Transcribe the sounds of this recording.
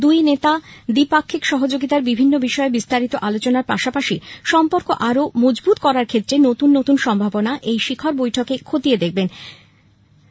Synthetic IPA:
d̪ujnet̪ad̪ipakʰːikʃɔɦod͡ʑoɡit̪aɾbibʱinːobiʃɔebist̪aɾit̪oʔalot͡ɕonaɾpaʃapaʃiʃɔmpoɾkoʔaɾomod͡ʑbut̪kɔɾaɾkʰet̪ːɾenot̪unːot̪unʃɔmbʱabonaʔejʃikʰoɾbojʈʰokekʰot̪ied̪ek̚ʰben

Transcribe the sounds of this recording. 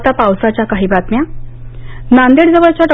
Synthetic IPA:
t̪apawsat͡ɕakaɦiːbat̪mja | nand̪eɽd͡zəʋəɭt͡ɕaʈ

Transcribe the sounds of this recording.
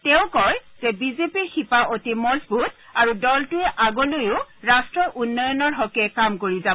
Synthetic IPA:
tɛʊ̃kɔjz̥ɛbizepiɹxipaʔotimɔɹzbut̚ | aɹudɔltʊɛʔaɡɔlojʊɹastɹɔʔunːɔjɔnɔɹɦɔkɛkamkoɹiza

